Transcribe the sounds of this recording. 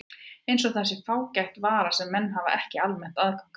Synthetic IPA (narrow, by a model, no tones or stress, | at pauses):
ejnsɔɣθɛsːɪfaːwcajht̪vaːɾasɛmːɛnːɦava̰ʔɛhcɪalmɛn̥t̪aðkawŋk